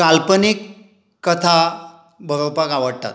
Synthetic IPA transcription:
alpənikː | ət̪ʰa | bʱəɾowpakaʋəɽt̪a̰t̪

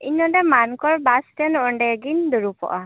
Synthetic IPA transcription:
inɔdɛmankɔɾbastɛnɔɔɳɖɛɡind̪uɾupɔ̰ʔa

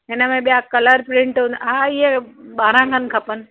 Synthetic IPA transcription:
ɦɪnəmẽɓijakɐləɾpɾɪ̃ɳʈʊnɦaɪɦeɓaːɾãɡʱənkʰɐpən̆

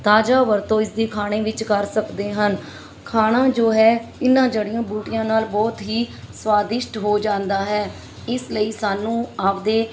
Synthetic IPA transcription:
t̪aːd͡ʒaːʋəɾt̪õːɪsd̪eːkʰaːɽ̃eːʋɪt͡ʃkəɾsəkd̪eːɦən | kʰaːɽ̃ãːd͡ʒoːɦɛːɪnãːd͡ʒəɽɪjãːbuːʈɪjãːnaːlbɔːt̪ɦiːswaːd̪ɪʃʈɦoːd͡ʒãːnd̪aːɦɛː | ɪsləiːsaːnũːaːpd̪eː

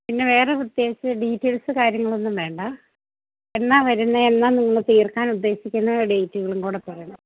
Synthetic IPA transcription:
pinːeʋe̞ːreud̪jeːsɨɖiːtːelsɨkaːɾjɐŋːɐɭo̞nːumʋe̞ːɳɖɐ | e̞nːaːʋɐɾunːɐe̞nːaːniŋːɐɭt̪iːrkaːnud̪ːe̞ːɕikʲːunːɐɖejtːuɣɐɭumkuːɽepːɐrɐjunːɐ

